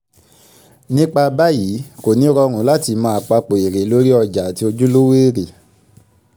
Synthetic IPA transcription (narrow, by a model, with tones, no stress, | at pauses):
nĩ˦k͡pa˧ba˦ji˨˦ko˨nĩ˨˦ɾɔ˧ɾ̃ũ˨˦la˦ti˧mãː˦˧˨k͡pa˧k͡po˨e˨ɾe˨˦lo˦ɾi˦ɔ˧d͡ʒa˨˦ti˦o˧d͡ʒu˦lo˦weː˦ɾe˨